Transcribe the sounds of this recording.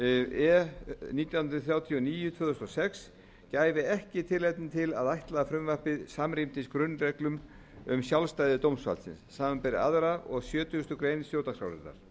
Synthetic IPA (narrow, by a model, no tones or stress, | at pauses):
ɛniːt̪jaw̪nɾʏθɾjaːwt̪ʰiɔniːjʏt̪ʰvœːðʏst̪ɔsɛks | caːjvɪɛhcɪt̪ʰɪlːejt̪nɪt̪ʰɪlaðajht̪laðafɾʏmvahpɪðsamɾimt̪ɪskɾʏnːrɛklʏm | ʏmsjawlst̪ajðɪt̪owmsfa̰lsɪ̰nsːaːmampɛɾɪ̰a̰ðɾaɔɣsjœːt̪ʏʏst̪ʏkɾeːjnɪsfjoːwt̪askɾa̰wɾɛ̰nt̪ːa̰ɾ̥